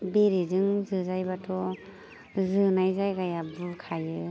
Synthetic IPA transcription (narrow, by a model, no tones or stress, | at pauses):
beɾezɯŋzɯzajbatʰɔ | zɯnajzajɡajabɯkʰajɯ